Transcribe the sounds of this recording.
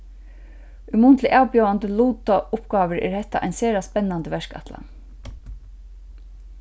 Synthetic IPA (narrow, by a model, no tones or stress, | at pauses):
ʏmuːnt̪ʰlɪʔaːwpjowant̪əluːt̪aʔʊpɡ̥ɑːʋəɹɛ̰ɹhɛt̪ːa̰ʔa̰jnseːɾaspɛnːant̪əʋɛʂka̰t̪la̰